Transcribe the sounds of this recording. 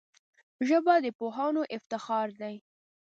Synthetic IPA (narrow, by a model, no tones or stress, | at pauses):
ʒəbad̪əpoɦɑnoʔɪft̪ɪxɑɾd̪aj